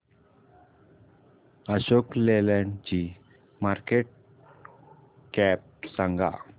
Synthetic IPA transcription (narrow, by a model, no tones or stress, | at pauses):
aɕoklelɛnd͡ʑi | maɾkeʈ̚ | kɛp̚saŋɡa̰